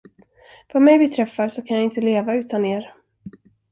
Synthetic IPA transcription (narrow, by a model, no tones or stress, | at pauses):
vamɛjbɛt̪ʰɾɛfːasɔkʰanjaɪnt̪əleːvaʉ̟ːt̪aneːɾ